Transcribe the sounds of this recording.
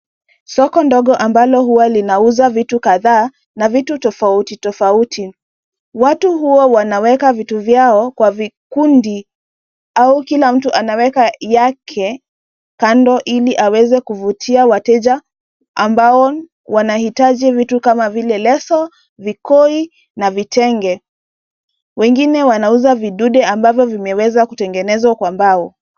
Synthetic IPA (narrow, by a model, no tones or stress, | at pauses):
sɔkɔndɔɠɔʔambalɔhuwalinauzavitukaðaː | navitutɔfautitɔfautʰi | watuhuɔwanawɛkavituvjaɔkwavikundi | aukilam̩tuʔanawɛkajakʰɛ | kandɔʔiliʔawɛzɛkuvutʰiawatɛʄa | ambaɔ | wanahitaʄivitukamavilɛlɛsɔ | vikɔi | navitɛŋɡɛ | wɛŋɡinɛwanauzaviɗuɗɛambavjɔvimɛwɛzakutɛŋɡɛnɛzwakwambaɔ